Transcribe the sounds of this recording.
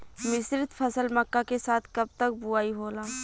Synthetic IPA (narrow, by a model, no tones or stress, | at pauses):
mɪsɾɪt̪pʰəsəlməkːakesaːt̪ʰkɐb̚t̪ək̚buaːiɦoːlaː